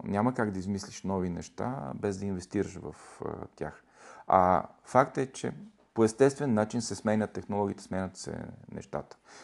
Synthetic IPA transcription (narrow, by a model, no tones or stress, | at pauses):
nʲaməkaɡd̪ɐizmislʲiʃnɔvinɛʃt̪a̰bɛzd̪ɐinvɛst̪iɾəʃvɐ̰ft̪ʲa̰x | ɐ̰fakt̪ɛt͡ʃɛ̰ | poɛst̪ɛst̪vɛnːat͡ʃinsɛsmɛnʲət̪ːɛxnolˠɔɡʲiːt̪ɛsmɛnʲət̪sɛ̰nɛ̰ʃt̪a̰t̪ə̥